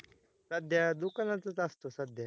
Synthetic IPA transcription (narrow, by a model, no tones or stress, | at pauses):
səd̪ʱjad̪ukanãt͡s̪ət̪ast̪osəd̪ʱja